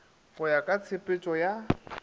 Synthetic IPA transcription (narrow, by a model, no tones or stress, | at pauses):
χʊjakʼat͡sʰepʼet͡ʃʼɔja